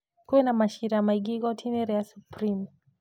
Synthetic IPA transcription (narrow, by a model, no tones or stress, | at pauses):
kuɛnamaʃiɾamaiɡiɡɔtʰinɛɾɛasupɾim